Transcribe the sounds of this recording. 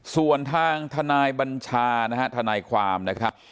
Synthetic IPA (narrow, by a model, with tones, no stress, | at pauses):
su˨˩ənt̪ʰaː˧ŋt̪ʰa˧naː˧jba˧nt͡ɕʰaː˧na˦˥ka˦˥t̪ʰa˧naː˧jkʰwaː˧mna˦˥kʰa˦˥p̚